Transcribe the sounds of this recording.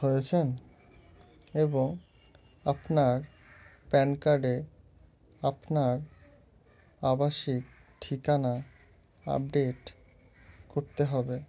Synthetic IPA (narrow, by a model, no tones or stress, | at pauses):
ɦojet͡ɕʰen | eboŋ | apnaɾ | pɛnkaɾɖe | apnaɾ | abaʃik | ʈʰikana | a̰p̚ɖeʈ | koɾt̪eɦɔbe